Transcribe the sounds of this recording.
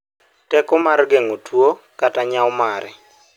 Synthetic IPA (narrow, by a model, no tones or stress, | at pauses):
tɛkɔmarɡeŋotʰwokataɲawmaɾɛ̰